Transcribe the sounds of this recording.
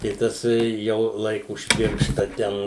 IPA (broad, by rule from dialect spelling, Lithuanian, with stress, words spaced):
tɐɪ ˈtɐs jɛʊ ˈlˠɐɪkʊ ʊʃ ˈpʲɪrʃtɐ ˈtʲɛn